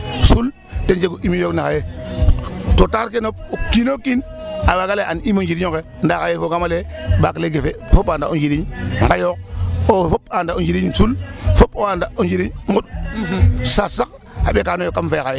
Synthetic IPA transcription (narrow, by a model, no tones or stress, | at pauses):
sul | tend͡ʒeɡuʔimijoknaxaje | totaɾkenop̚okinokin | awaɡaleʔanimond͡ʒiɾiɲoke | ndakajefoɡamalebakleɡefefopaːndaond͡ʒiɾiɲŋɡajok̚ofopandaond͡ʒiɾiɲsulfopowandaond͡ʒiɾiɲŋɡuɗ | sasak̚ | aɓekaːnojokːamfekaje